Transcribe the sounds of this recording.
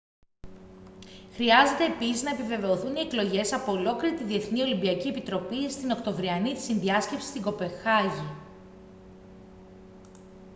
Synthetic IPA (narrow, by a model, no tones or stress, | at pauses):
xɾiɐze̞t̪eːpisiznɐepive̞ve̞o̞θunie̞klo̞ʝe̞sɐpo̞ːlo̞kliɾit̪iðie̞θnio̞limbiɐcie̞pit̪ɾo̞pist̪ino̞kt̪o̞vɾiɐnit̪i̥sinðiɐsce̞psi̥st̪iŋɡo̞pe̞xɐʝi